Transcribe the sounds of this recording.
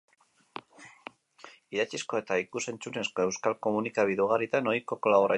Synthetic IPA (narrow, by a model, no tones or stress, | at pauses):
iðat͡sisko̞e̞t̪aikuse̞nt͡sune̞sko̞e̞wskalko̞munikaβiðuɣ̞aɾit̪ano̞jko̞kolaβoɾa